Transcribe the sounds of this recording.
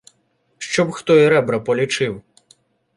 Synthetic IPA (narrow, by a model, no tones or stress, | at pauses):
ʃt͡ʃɔbxt̪ɔiɾɛbɾɐpɔlʲit͡ʃɪw